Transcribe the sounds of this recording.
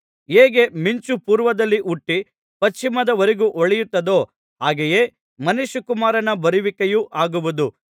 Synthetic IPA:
ɦeːɡe̞miɲt͡ʃupuːɾʋɐd̪ɐlːiʔuʈːi | pɐt͡ʃt͡ʃːimɐd̪ɐʋɐɾeɡuʔɔɭɛjut̪ːɐd̪o̞ː | ɦaːɡeje̞ | mɐnuʃukumaːɾɐnɐbɐɾiʋikejuʔaːɡuʋud̪u

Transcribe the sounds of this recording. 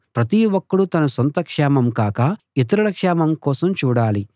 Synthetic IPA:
pɾɐt̪̬iwɔkːɐɽut̪ɐnɐsɐnt̪ɐkʂɛːmɐmkaːkɐ | it̪̬ɐɾuɽɐkʂɛːmɐmkɔːsɐmt͡ʃuːɽaːli

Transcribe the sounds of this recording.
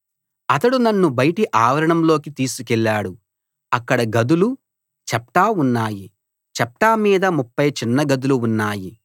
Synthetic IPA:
ɐt̪ɐɽunɐnːubɐjʈiʔaːʋɐɾɐɳɐmlo̞ːkit̪iːsukɛlːaːɽu | ɐkːɐɽɐɡɐd̪ulu | t͡ʃɐpʈaːunːaːji | t͡ʃɐp̚ʈaːmiːd̪ɐmupːɐjt͡ʃinːɐɡɐd̪uluːnːaːji

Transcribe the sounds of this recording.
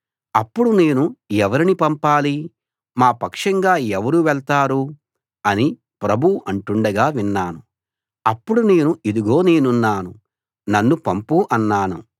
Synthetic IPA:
ɐpːuɽune̞ːnuɛʋɐɾinipɐmpaːli | maːpɐkʂɐŋɡaːɛʋɐɾuːʋɛɭt̪aːɾu | ɐni | pɾɐbʱuʔɐɳʈuɳɖɐɡaːʋinːaːnu | ɐpːuɽune̞ːnuʔid̪iɡo̞ːne̞ːnunːaːnṵ | nɐnːupɐmpuʔɐnːaːnṵ

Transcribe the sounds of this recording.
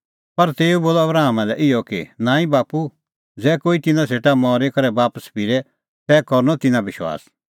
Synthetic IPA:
pɐɾt̪eːuboːlɔɐbɾaːmãlɛʔɪjɔkinãːĩbaːpu | d͡zɛːkoːit̪ɪnãseːʈamɔːɾekɐɾɛbaːpəspɪɾɛ | t̪ɛːkɔɾnɔt̪ɪnãbɪʃwa̰ːs

